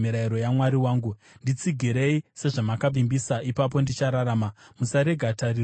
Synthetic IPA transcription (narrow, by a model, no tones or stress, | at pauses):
miɾaiɾo̞jamwaɾiwaːŋɡu | ndit͡siɡʱiɾe̞ise̞ʐamakab͡vimbisaʔipap̬o̞ndit͡ʃaɾaɾaːmamusaɾeɡʱatari